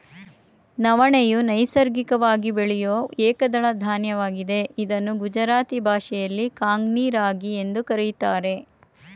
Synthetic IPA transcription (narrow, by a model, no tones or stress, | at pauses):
nɐʋɐɳejunɐjsɐɾɡikɐʋaːɡibeɭɛjoːeːkɐd̪ɐɭɐd̪ʱaːnjɐʋaːɡid̪e̞id̪ɐnːuɡud͡ʒɐɾaːt̪ibʱaːʃɛjɐlːikaːŋɡniːɾaːɡie̞nd̪ukɐɾijt̪aːɾe̞